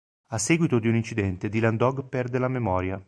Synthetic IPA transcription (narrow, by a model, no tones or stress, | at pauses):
asːeːɡwit̪od̪iunint͡ʃid̪ɛnt̪ed̪iland̪ɔɡpɛrd̪elamemɔːɾja